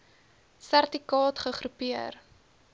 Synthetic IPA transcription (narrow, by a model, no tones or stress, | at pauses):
særtikɑːtχəχɾupiər